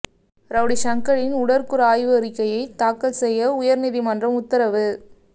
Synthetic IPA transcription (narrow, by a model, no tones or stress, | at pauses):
ɾɐʋɽiʃɐŋkɐɭɪnʊɽɐɾkɯɾɐaːjʋɐɾɪkːɐjɐɪt̪aːkːɐlsɛjːɐʊjɐɾnɪðimɐndrɐmʊt̪ːɐɾɐʋɯ